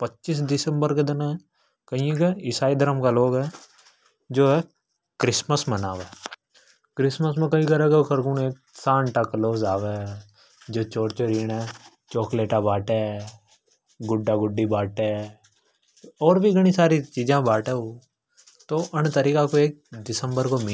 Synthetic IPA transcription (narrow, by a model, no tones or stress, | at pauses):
pətːʃis̬d̪ɪsə̃mbəɾked̪ɪnã | kəĩkeɪsaːid̪əɾəmkaloːɡɦɛː | d͡ʒoːɦɛː | kɾɪsməsmənaːʋɛː | kɾɪsməs̬mẽkɐɦĩkəɾɛkekʰɐɾkuːneːk̚ | sãːɳʈakloːsaːʋe | d͡ʒoːt͡ʃoːɾt͡ʃəɾiːnɛ | t͡ʃoːkleːʈabaːʈe | ɡʊɖːaɡʊɖːibaːʈɛ | ɔːɾbʱiɡəɽ̃isaːɾit͡ʃiːd͡ʒãbaːʈeɦoː | t̪oːʔənt̪əɾiːkakoeːk̚ɖɪsə̃mbəɾkomi